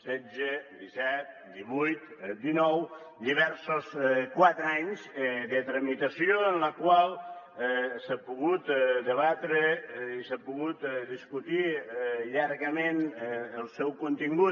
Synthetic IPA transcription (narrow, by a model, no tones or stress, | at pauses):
sɛzəd̪isɛt̪̚d̪iβujt̪d̪inɔw | d̪iβ̞ɛɾsoskwat̪ɾaɲzðət̪ɾəmit̪əsioənləkwalˠ | sapuɣut̪d̪əβat̪ɾeisapuɣut̪d̪iskut̪iʎaɾɣəmenəlˠsɛwkunt̪iŋɡu